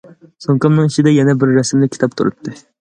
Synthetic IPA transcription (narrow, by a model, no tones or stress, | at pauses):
soŋkɑmnɨŋiʃid̪ɛjɛnɛbɪɾːɛsɪmlɪkʲʰːi̥t̪ʰɑp̚t̪ʰuɾṵt̪ʰːɨ